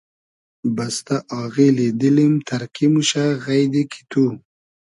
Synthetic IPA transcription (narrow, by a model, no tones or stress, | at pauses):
bast̪aʔɑɣiled̪əlimt̪ʰaɾkimuʃaɣajd̪ekʰi̥t̪ʰu